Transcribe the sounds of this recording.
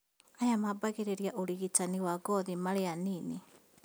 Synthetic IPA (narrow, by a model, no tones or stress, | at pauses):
ajamabaɣeɾeɾjaʔoɾiɣitaniwaɡɔðimaɾeanini